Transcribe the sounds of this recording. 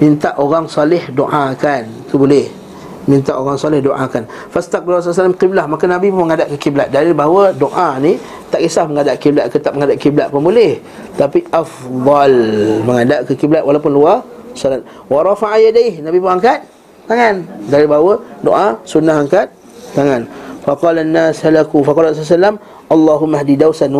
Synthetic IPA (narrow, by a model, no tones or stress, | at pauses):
mint̪aʔoɣaŋsalɪhdoʔakant̪ubolɛh | mint̪aʔoɣaŋsɔlɪhdoʔa̰kan | fast̪ak̚bɪlras̬alsalamqiblahmakanabipʊnməŋadaʔkəkiblat̪̚daɾibawədoʔani | t̪aʔisahməŋadaʔkiblat̪̚kət̪aʔməŋadaʔkiblaʔ̪̚pʊnbolɛh | t̪apiʔafd̪ˤɑlməŋadaʔkəkiblat̪walawpʊnluasalat̪̚ | wɑɾˤɑfaʕajadajhnabipʊŋaŋkat̪̚ː | aŋandaɾibawədo̰ʔasunːahaŋkat̪̚ː | aŋanfaqɑlanːashalakufɑqɑlrs̬s̬alːam | ʔalˤːɑɦʊmːaɦdidawsan